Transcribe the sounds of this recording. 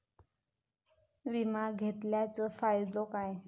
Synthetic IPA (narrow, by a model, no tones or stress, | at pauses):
ʋimaɡʱet̪ljat͡səfajd̪okaj